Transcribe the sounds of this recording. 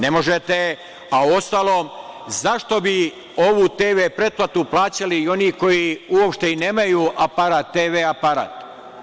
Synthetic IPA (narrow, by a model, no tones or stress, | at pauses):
ne̞mo̞ʒet̪e | auo̞st̪aːlˠoːmzaʃt̪o̞bi | o̞ʋut̪eːʋeːpɾe̞t̪̚plˠat̪uplˠaːt͡ɕaliio̞niko̞jiuopʃt̪e̞ineːmajuːʔapaɾaːt̪ːeːʋeapaɾa̰ːt̪